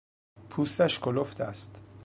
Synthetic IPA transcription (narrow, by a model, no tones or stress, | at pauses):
pʰuːst̪æʃkoloft̪æst̪